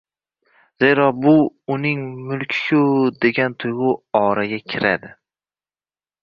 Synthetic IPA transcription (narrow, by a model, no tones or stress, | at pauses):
z̥e̞ɾɒbʊʊnɪŋmʊlkʲʰjʊd̪e̞ɡʲant̪ʰʊjʁʊɒɾaɡʲakʲʰɪɾa̰d̪ɪ